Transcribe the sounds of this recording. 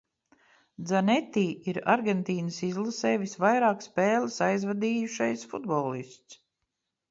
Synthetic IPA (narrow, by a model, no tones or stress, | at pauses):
d̪zanet̪ːiːʔiɾa̰ɾɡʲent̪iːnəsizlˠasɛːjvisvajɾaːkspeːləsajzvad̪iːjuʃajsfud̪bɔlˠist̪s